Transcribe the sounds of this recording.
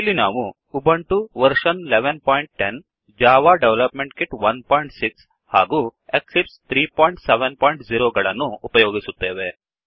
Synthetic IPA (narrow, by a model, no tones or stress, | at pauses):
ilːinaːʋu | ubʱɐɳʈuʋɐɾʃɐnleʋenpɔːiɳʈ̚ʈen | d͡ʒaːʋaːɖeʋlɐpmeɳʈkiʈʋɐnpɔːiɳʈsiks | haːɡueksipst̪ʰɾiːpoːjiɳʈseʋenpɔːiɳʈziɾoːɡɐɭɐnːuːpɐjoːɡisut̪ːeːʋe